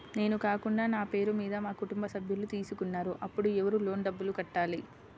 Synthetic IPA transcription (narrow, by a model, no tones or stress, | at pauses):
ne̞ːnukaːkuɳɖaːnaːpe̞ːɾumiːd̪ɐmaːkuʈumbɐsɐbʱjɐlut̪iːsukunːaːɾuʔɐpːuɽuɛʋɐɾulo̞ːɳɖɐbːulukɐʈːaːli